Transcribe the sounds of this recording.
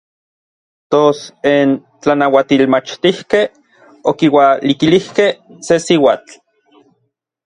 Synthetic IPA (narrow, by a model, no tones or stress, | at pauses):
t̪osen | t͡ɬanawat̪ilmat͡ʃt̪ihkeh | okiwalikilihkehsesiwaːt͡ɬ